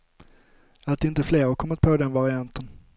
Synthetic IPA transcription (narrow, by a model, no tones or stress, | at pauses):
at̪̚d̪ɛɪnt̪əfleːɾɔkʰɔmːət̪̚pʰod̪ɛnvaɾɪant̪ən